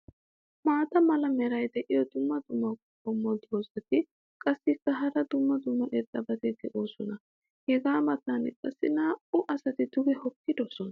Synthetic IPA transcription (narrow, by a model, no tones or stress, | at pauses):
maːt̪ɐmɐlɐmɛɾɐjd̪ɛʔɪjɔd̪ʊmːɐd̪ʊmːɐkɔkːɔmːɔd̪oːzɐt̪ɪ | kʼɐsːɪkːɐɦɐɾɐd̪ʊmːɐd̪ʊmːɐʔɛt̪ʼːɐbɐt̪ɛɡɛʔoːsɔnɐ | hɛɡaːmɐt̪anɛ̰kʼɐsːɪnaːʊʔɐsɐt̪ɪd̪ʊɡɛhɔkːɪd̪ɔsɔnɐ